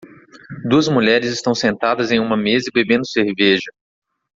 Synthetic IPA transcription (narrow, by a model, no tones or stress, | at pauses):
d̪uɐzmuʎɛɾɪzɪst̪ɐ̃w̃sẽnt̪ad̪ɐzẽj̃ũmɐmezɐɪbebẽnd̪ʊseɾvɛʒɐ